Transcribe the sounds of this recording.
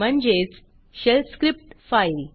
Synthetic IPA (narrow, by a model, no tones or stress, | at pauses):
m̤əɳd͡ʑet͡s | ɕelskɾip̚ʈfail